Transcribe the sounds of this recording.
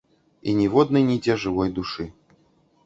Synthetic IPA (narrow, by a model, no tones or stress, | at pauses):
inʲivɔd̪nɨjnʲid͡zʲɛʐɨvɔjd̪uʂɨ